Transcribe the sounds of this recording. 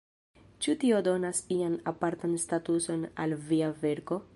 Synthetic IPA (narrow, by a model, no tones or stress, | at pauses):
t͡ʃutio̞do̞nasianapaɾtanstatuso̞na̰lviave̞ɾko̞